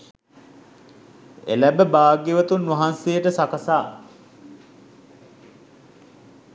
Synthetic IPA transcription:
ḛlæbəbaːɡeʋət̪unːʋɐɦansejəʈəsakəsaː

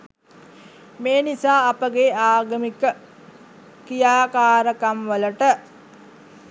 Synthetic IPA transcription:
meːnisaːpəɡeaːɡəmikə | kijaːkaːɾəkamʋələʈə

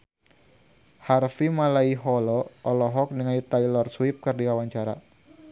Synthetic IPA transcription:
harfimalaiɦɔlɔɔlɔɦɔk̚dəŋandit̪ajlɔrswip̚kɨrdikawaɲt͡ʃaɾa̰

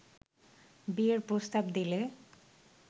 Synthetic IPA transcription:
bieɾpɾost̪abd̪ile

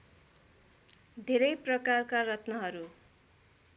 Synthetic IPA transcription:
d̪ʱeɾʌjprʌkarkarʌt̪nʌɦʌɾu

